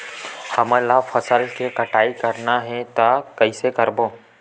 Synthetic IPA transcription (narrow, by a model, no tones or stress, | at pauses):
həmə̃lafʰəsəlkekəʈaːikəɾnaɦɛt̪akɐisekəɾboː